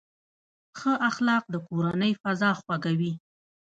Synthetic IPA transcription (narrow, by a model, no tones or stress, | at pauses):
xəʔaxlɑq̚d̪əkoɾanəjfazɑxwaɡawi